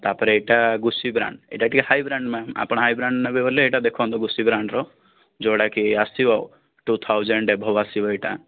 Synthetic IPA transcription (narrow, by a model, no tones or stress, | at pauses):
t̪apɔɾeeʈaɡusibɾa̰ɳɖḛʈaʈʰikahajbɾaɳɖmama̰pɔɽ̃ɔɦajbɾaɳɖnabeboleːʈad̪ekʰɔ̃nt̪ɔɡusibɾaɳɖɾɔ | d͡ʒɔɽakiasiba | ʈut̪ʰawd͡ʒeɳɖebʱɔbasibaeʈa̰